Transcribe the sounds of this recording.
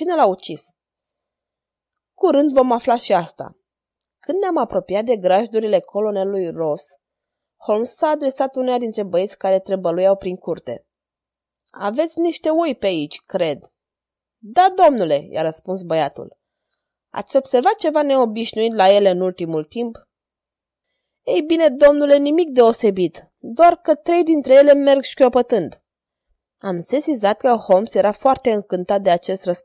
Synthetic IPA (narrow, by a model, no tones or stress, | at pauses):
t͡ʃine̞laut͡ʃis | kuɾɨnd̪vo̞maflaʃiast̪a̰ | kɨnd̪neamapɾo̞pijat̪̚d̪e̞ɡɾaʒd̪uɾile̞kʰo̞lo̞nelujro̞s | ho̞lmsaːd̪ɾe̞sat̪unejad̪int̪ɾe̞bəjet̪sʲkaɾe̞t̪ɾebəlujawpɾiŋkurt̪e̞̰ | a̰ve̞t̪sʲniʃt̪e̞ujpeait͡ʃʲkɾe̞d̪ː | ad̪o̞mnule̞ja̰ɾəspunsbəjat̪ṵl | a̰t̪sʲo̞b̥se̞rvat̪̚t͡ʃe̞vane̞o̞biʃnuit̪laje̞le̞ɨnult̪imult̪imp | ejbine̞d̪o̞mnule̞nimik̚d̪e̞o̞se̞bit̪ | d̪oarkət̪ɾe̞jd̪int̪ɾe̞jele̞me̞rɡʃi̥kʲopət̪ɨnd̪ | amse̞sizat̪̚kəhomsje̞ɾafoart̪e̞ɨŋkɨnt̪at̪̚d̪eat͡ʃe̞st̪rəs